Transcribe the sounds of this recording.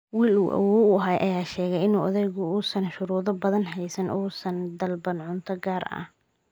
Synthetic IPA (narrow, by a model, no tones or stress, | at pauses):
wiːlṵːʔɐ̰wɔːʊɦaːjʔɐjaːʃɛːɣɛjɪnuːʔɐðɛjɣʊʊsɐnʃʊɾuːðɔbɐðɐnɦɛjsɐnʔɔːsɐnd̪ɐlbɐnʕʊnt̪ʰɐɡaːɾɐ̰h